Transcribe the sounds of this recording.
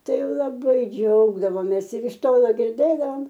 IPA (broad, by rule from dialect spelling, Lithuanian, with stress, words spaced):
ˈtɐɪ lˠɐˈbɐɪ ˈd͡ʒʲɛʊɡdɐʋoːmʲeːs ɪr ɪʃ ˈtoːlˠoː ɡʲɪrʲˈdʲeːdɐʋoːm